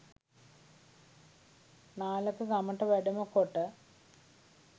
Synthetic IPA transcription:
naːlɐkːɨkɐmɐʈːɐʋeɽɐmɐkːoʈːɨ

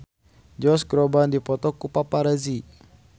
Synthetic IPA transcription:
d͡ʒɔsɡɾɔbandipɔt̪ɔkupapaɾazi

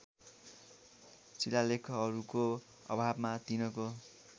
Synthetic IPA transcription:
t͡silalekʰʌːɾuko | ʌ̰bʱabmat̪inʌko

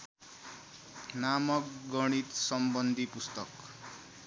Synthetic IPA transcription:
namʌkɡʌɽ̃it̪sʌmbʌnd̪ʱipust̪ʌk

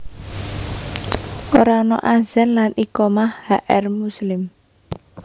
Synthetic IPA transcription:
ʔoɾanɔ̰ʔazanlanikɔmahhaʔɛrmuslɪm

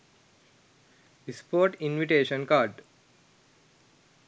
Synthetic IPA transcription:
ispoːʈinʋiʈeːʃə̃nkaːɖ

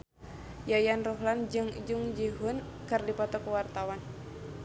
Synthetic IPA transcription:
jajanruɦland͡ʒɨŋd͡ʒuŋd͡ʒiɦun | kɨrdipɔt̪ɔkəwart̪awan

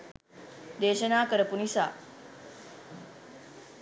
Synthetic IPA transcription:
d̪eːʃənaːkəɾəpunisa̰ː

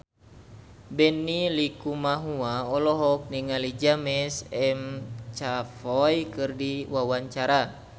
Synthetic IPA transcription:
bɛnːilikumaɦuaɔlɔɦɔk̚niŋalid͡ʒamɛsɛmt͡ʃafɔjkɨrdiwawaɲt͡ʃaɾa

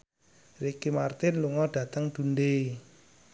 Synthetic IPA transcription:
rekimart̪ɪnluŋɔɖ̥ä̤t̪əŋd̪̥ṳndei

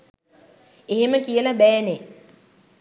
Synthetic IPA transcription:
eɦeməkijəlabɛːne

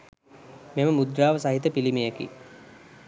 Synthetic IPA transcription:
meməmud̪ɾaːʋəsaɦit̪əpilimejekḭ

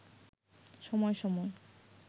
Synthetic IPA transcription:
ʃɔmɔeʃɔmɔe

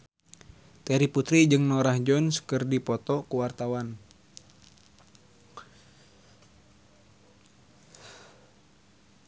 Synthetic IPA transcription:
t̪ɛɾiput̪ɾid͡ʒɨŋnɔɾahd͡ʒɔnskɨrdipɔt̪ɔkuwart̪awan

